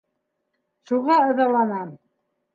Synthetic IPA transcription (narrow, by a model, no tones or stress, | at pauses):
ʃuʁɑɤ̆ðɑlˠɑnɑm